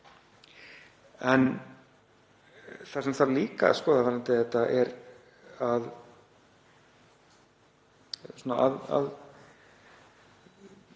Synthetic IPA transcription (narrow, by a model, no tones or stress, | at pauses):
ɛn | θḁsɛmθaɾliːka̰skɔːðavaːɾant̪ɪðɛt̪aʔɛɾ | að | suna̰ʔa̰ða̰ð